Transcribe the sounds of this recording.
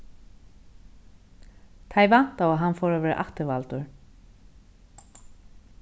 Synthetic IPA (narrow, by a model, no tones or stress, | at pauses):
t̪ʰaːjvan̥t̪awaɦanfɔːɾavɛːɾ̰ʔa̰ht̪ɪvalt̪ʊɹ